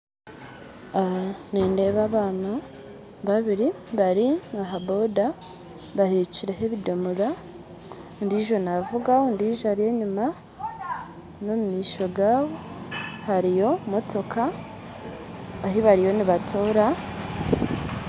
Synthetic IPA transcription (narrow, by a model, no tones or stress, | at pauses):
aniːnde̞ːβaːβaːna | βaβiɾiβaɾiŋaɦabo̞da | βaheciɾeɦeβido̞muɾa | ndiʒo̞navuɡaondiːʒaɾije̞ɲuma | no̞mumiːʃo̞ɡaːβo̞haɾijo̞mo̞to̞kʰa | ɦiβaɾijo̞niβatʰoːɾa